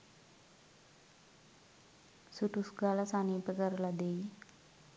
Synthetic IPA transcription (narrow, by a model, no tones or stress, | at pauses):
suʈusɡalasanipəkəɾlad̪ej